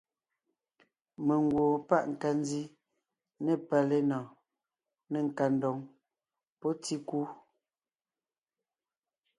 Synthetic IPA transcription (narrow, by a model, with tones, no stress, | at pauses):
me˨ŋ˨ɡwo˨pa˦˨ʔŋ̩˨ka˨n˦zi˦ | ne˦˨pa˨le˦nɔ˨ | ne˨ŋ̩˨ka˨n˦dɔ˨ŋ | pɔ˦ti˦ku˦